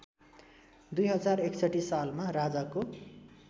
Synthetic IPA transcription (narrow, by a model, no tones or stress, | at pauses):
d̪ujɦʌd͡zareksʌʈːisalmarad͡zako